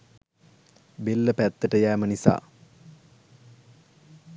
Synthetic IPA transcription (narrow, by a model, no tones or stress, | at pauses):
belːəpæt̪ːəʈəjæːmənisa̰ː